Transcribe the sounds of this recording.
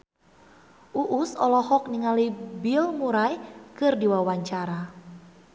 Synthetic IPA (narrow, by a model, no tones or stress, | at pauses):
ʔuʔusɔ̰lɔhɔk̚niŋalibilmuɾajkɨrdiwawaɲt͡ʃaɾa